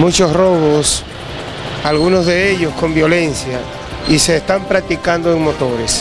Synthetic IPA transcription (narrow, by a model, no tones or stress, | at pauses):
mut͡ʃo̞sro̞βo̞s | alɣuno̞zðe̞e̞ʎo̞sko̞mbjo̞le̞nsja | ise̞ːst̪ampɾak̚t̪ikand̪oeŋmo̞t̪o̞ɾe̞s